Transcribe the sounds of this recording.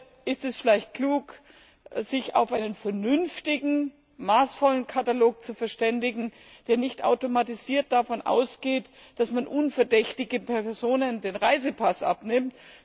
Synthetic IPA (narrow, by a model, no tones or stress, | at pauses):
ʔɪstɛsfɪlaɪçt̚kʰl̥uːk | z̥ɪça̰ʊfʔaɪnənfɛɐnʏnftɪɡŋ̩ | maːsfɔlənkʰataloːk̚t͡sufɛɐʃtɛndɪɡŋ̩ | d̥eːɐnɪçtʔa̰ʊtomatiziːɐt̚d̥afɔnʔa̰ʊsɡ̥eːt | d̥asmanʔʊnfɛɐdɛçtɪɡəpʰɛɐɐzoːnəndeːnʁaɪzəpʰasʔa̰pnɪmt